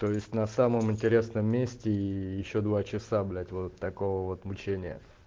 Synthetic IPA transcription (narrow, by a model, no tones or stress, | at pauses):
t̪o̞jɪsʲtʲnɐsaməmɨnʲtʲɪɾʲe̞snəmːʲesʲtʲɪjɪɕːo̞d̪vat͡ɕɪsablʲætʲvo̞t̪ːɐko̞vəvo̞t̪mʊt͡ɕenʲɪjə̰